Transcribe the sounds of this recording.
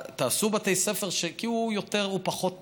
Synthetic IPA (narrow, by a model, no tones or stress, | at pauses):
t̪aːsubat̪ejsefeʁʃekiujo̞t̪e̞ʁupaχo̞t̪